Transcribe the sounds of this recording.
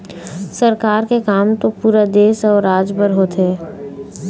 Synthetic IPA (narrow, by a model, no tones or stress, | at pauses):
səɾkaːɾkekaːmt̪opuːɾad̪eːsɔːɾːaːd͡ʒbəɾɦoːt̪ɦɛː